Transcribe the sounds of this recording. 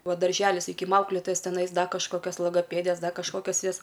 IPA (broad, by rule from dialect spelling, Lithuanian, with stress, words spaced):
ˈʋɐ dɐrʲˈʒʲæːlʲɪs sɐˈkʲiːkʲɪm ˈɐʊklʲɛtoːjɛs tʲɛˈnɐɪs ˈdɐ kɐʃˈkoːkʲɛs lˠoːɡoːˈpʲeːdʲeːs ˈdɐ kɐʃˈkoːkʲɛs ˈjɛs